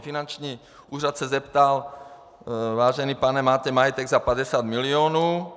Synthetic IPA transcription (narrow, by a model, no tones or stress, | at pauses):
finant͡ʃɲiː | ʔuːrat̪sɛzɛpt̪al | vaːʒɛniːpanɛmaːt̪ɛmajɛt̪ɛɡzapad̪ɛsaːd̪milioːnuː